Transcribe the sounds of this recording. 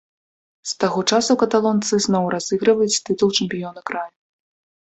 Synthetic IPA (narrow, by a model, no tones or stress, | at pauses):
st̪aɣɔt͡ʂasukɐt̪alˠɔnt̪sɨznɔwɾazɨɣɾɨvɐjut͡sʲt̪ɨt̪ulˠt͡ʂɨmʲpʲijɔnɐkɾaju